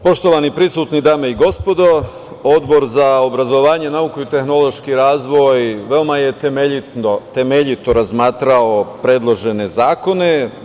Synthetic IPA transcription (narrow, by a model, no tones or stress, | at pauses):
po̞ʃt̪o̞ʋanipɾisuːt̪nid̪aːme̞iɡo̞spo̞d̪o̞ | o̞d̪bo̞ɾzaobɾazoʋaːɲe̞naukuit̪e̞xno̞lˠo̞ʃkiɾaːzʋo̞jʋe̞omaje̞t̪emeʎit̪not̪e̞meʎit̪o̞ɾazmaːt̪ɾao̞pɾe̞ːd̪lˠo̞ʒe̞ne̞zaːko̞ne̞